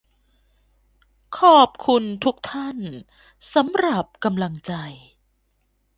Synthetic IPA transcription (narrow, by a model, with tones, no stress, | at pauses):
kʰɔː˨˩p̚kʰu˧nt̪ʰu˦˥k̚t̪ʰa˥˩n | sa˨˦mɾa˨˩p̚ka˧mla˧ŋt͡ɕa˧j